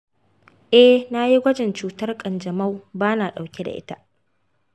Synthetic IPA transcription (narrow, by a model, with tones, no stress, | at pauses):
ʔɛ˦hna˦ji˦ɡʷɐ˦d͡ʒɪ˨nt͡ʃuː˨tɐ˦rkʼɐ˨nd͡ʒɐ˨ma˦wbaː˦naː˨ɗa˨wkʲe˦da̰˨ʔɪ̰˦ta˦ʔ